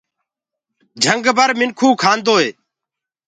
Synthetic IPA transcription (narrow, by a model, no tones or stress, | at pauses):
d͡ʒʱəŋɡbʱəɾmɪnkʰuːkʰaːnd̪oːeː